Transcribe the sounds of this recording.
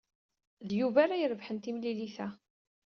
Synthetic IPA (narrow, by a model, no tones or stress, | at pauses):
ðjuvaɾajəɾəvħənt̪imliliθæ